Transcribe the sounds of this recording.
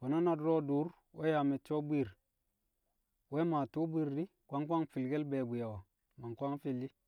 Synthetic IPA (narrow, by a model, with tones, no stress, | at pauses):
ka˨na˦na˨dɾo˦du˨˦ɾ | we˦ja˨me˨t͡ʃo˦bi˦˨ɾ | we˦ma˨tu˦bi˦ɾːi˦ | kʷa˦ŋkʷa˦ŋfi˨lɡe˦lbe˨bu˨ja˨wa˨ | ma˨ŋkʷa˦ŋfi˦lːi˦